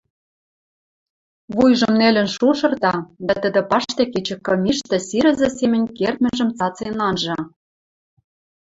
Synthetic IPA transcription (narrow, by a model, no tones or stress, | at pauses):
βujʒɤ̆mnelʲɘ̆nʃuʃɤ̆rt̪ɑd̪ɑt̪ə̆d̪ə̆pɑʃt̪ĕket͡ɕɘ̆kːɤ̆mʲiʃt̪ĕsiɾɘ̆zĕsemɘ̆nʲkert̪̚mɘ̆ʒə̆mt͡sɑt͡senɑnʒɑ